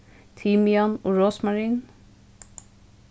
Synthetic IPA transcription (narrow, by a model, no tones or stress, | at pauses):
t̪ʰimjɑnoːɹoːsmɑɹiːn